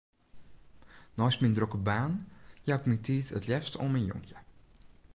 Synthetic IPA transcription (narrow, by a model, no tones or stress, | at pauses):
nɔjsmindrokəbaːnjakmintʰiːtʰətlɛfstəo̰mɛnjo̰ŋkʰjə